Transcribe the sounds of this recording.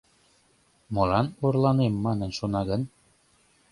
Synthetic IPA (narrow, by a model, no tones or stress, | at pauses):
mɤ̆lɑnorlɑnemːɑnənʃonɑɣən